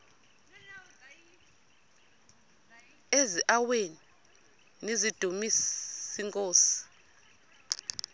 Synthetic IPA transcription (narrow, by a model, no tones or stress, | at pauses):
eziʔaweni | nizid̥ʱumisiŋkʼoːsi̥i̥